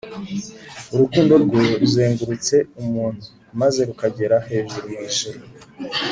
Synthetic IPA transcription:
uɾukuːndo̞ɾɡoɾuzeːŋɡuɾut͡se̞umuːn̥hu | maze̞ɾukaɟe̞ɾahe̞ːʒuɾoiiʒeɾ

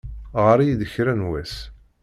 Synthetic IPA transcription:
ʁəɾijðəçɾænwæs

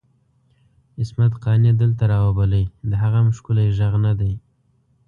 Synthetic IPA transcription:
ɪsmat̪qɑnjed̪əlt̪aɾɑwabaləjd̪əɦaɣamʊʃkʊlajʒaɣnad̪aj

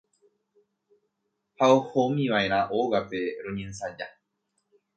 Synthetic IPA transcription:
haohomĩʋae̞ɾ̃ãʔoʋape̞ɾõɲẽnsad͡ʒa

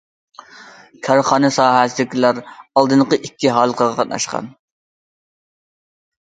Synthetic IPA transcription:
kʲʰɑɾχɑːnɨsɑːɦæsɪlɪkʲʰilæɾɑlˠd̪ɨnqəʔikʲːiɦɑːlˠəqʰəʁɑqʰɑt̪̚nɑ̰ʃqɑ̰n

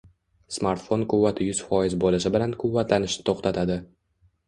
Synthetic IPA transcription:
smaɾt̪fo̞nkʊvːat̪ʰɪjʊz̥fɒjɪzbolɪʃ̬ɪbɪlankʰʊvːat̪lanɪʃnɪ̥t̪ʰoχt̪ʰat̪ʰad̪ɪ

